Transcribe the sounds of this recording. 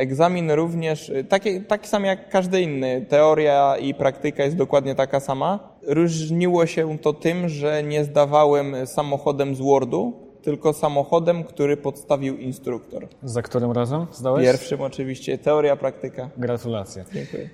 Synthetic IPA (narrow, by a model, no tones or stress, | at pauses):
ɛɡzamʲinɾuvɲɛʂt̪akʲɛt̪akʲi̥samjakːaʐd̪ɘinːɘt̪ɛɔɾjaipɾakt̪ɘkajɛst̪d̪ɔkwad̪ɲɛt̪akasama | ɾuʐɲiwɔɕɛt̪ɔt̪ɘmʐɛɲɛzd̪avawɛmsamɔxɔd̪ɛmzwɔɾd̪u | t̪ɘlkɔsamɔxɔd̪ɛmkt̪uɾɘpɔt̪st̪avʲiwinst̪ɾukt̪ɔɾzakt̪uɾɘmɾazɛmzd̪awɛpjɛɾfʂɘmɔt͡ʂɘvʲiɕt͡ɕɛt̪ɛɔɾʲjapɾak̚t̪ɘkaɡɾat̪ulat̪sʲjad͡ʑɛŋkṵjɛ